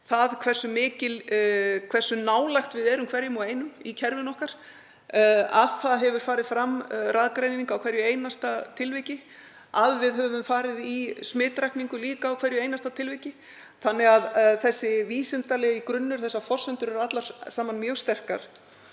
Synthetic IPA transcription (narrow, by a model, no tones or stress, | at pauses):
θaðkʰvɛr̥sʏmɪːcɪlkʰvɛr̥sʏnaːwlajxt̪vɪðɛɾʏmkʰvɛɾjʏmɔejnʏmicʰɛɾvɪnɔhkaɾ̥ | a̰ðθaðɦɛvʏɾ̥faːɾɪðfɾamraðkɾejniŋkawkʰvɛɾjʏejnast̪at̪ʰɪlvɪcɪ | aðvɪðɦɛvʏmfaːɾɪðismɪːt̪ɾajkniŋkʏliːkaːwkʰvɛɾjʏeːjnast̪at̪ʰɪlvɪjcɪ | θanːɛɣaðθɛsːɪviːsɛnt̪alɛːɣikɾʏnːʏɾ̥θɛsːafɔr̥sɛnt̪ʏɾɛɾat̪laɾ̥saːmanmjœːwst̪ɛr̥ka̰ɾ̥